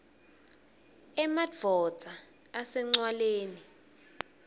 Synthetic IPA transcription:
ɛmav̥ʱɔ̥z̥ʱaː | sɛŋ͡ǀwaleːni

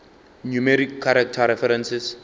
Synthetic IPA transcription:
njumɛɾikʰːaɾak̚tʰaɾɛfɛɾɛ̃nsɛs

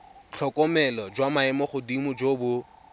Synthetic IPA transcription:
t͡ɬʰɔkʼɔmɛlɔd͡ʒwamaɛmɔχʊdimʊd͡ʒobʊ

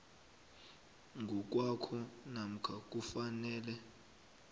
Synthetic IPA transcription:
ŋɡʱɔk̬ʼwakʰɔnam̩kʰak̬ʼufanɛːlɛ

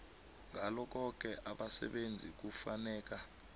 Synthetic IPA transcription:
ŋʱalɔk̬ɔk̬ɛʔaɓasɛ̰ɓend͡zʱik̬ufanɛːk̬a

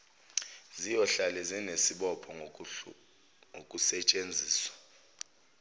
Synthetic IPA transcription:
zijɔɬalɛzinesiɓɔpʰɔ | ŋokʼusɛt͡ʃʼend͡zʱiːswḁ

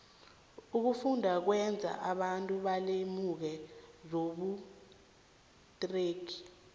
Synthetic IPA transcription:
uk̬ufundʱak̬wɛnd͡zʱa̰ʔaɓantʼuɓalemuk̬ɛzoɓu | tʼreːɡʰʱi̥

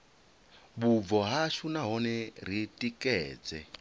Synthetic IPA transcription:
buvɔɦaʃunaɦɔnɛɾ̤itʼikʼɛːd͡zɛ

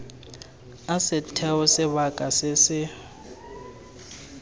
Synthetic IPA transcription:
asɪtʰɛwɔsɛβakʼasɪsɪ

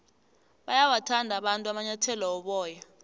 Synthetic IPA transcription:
ɓajawatʰandʱaɓantʼuamaɲatʰɛlɔwɔɓɔːja

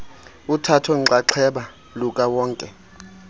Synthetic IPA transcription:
utʰatʰɔŋǀaǁʰɛɓa | lukʼawɔːŋkʼɛ

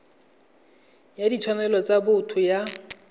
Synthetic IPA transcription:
jadit͡ʃʰɔnɛlɔt͡sabʊtʰʊja

